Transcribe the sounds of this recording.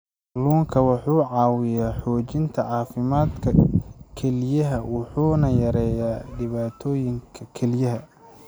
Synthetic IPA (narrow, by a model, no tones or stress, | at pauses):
luːŋkʰɐwɑħuːʕɑːwɪjaːħɔːt͡ʃɪnt̪ʰɐʕɑːfɪmaːd̪kʰɐkʰɛlɪjɐɦɐwɑħuːnɐjɐɾɛːjaːɖɪβaːt̪ʰɔːjɪŋkʰɐkʰɛlɪjɐɦɐ